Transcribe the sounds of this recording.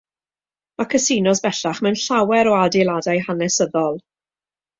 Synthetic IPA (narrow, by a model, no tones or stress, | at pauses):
makʰəsinɔsbɛɬaχmɛwnɬawɛɾɔadɛlˠadajɦanɛsəðɔlˠ